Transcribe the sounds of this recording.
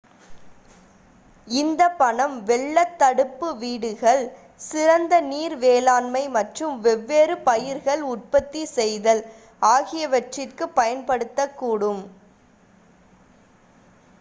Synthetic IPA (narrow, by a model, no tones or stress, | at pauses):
ɪnd̪ɐpːɐɳɐmʋɛɭːɐt̪ːɐɽɯpːɯʋiːɽɯɣɐɭ | sɪɾɐnd̪ɐniːɾʋeːlaːnmɐɪmɐʈrɯmʋɛʋːeːɾɯpɐjɪɾɣɐɭʊʈ̚pɐt̪ːisɛjðɐl | aːɣɪjɐʋɐʈrɪrkɯpːɐjɐnpɐɽɯt̪ːɐkːuːɽɯm